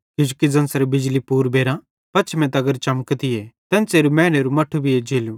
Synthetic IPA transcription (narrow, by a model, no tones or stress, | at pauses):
jʊd͡ʒkid͡zɐnsɾebɪd͡ʒlipuːɾbeːɾã | pɐːt͡ʃʰmɛ̃t̪ɐɡəɾt͡ʃɐmkt̪ɪjet̪ɛ̃nseːɾumɛ̃ːɽ̃eɾumɐʈʰːubʱɪed͡ʒeːlu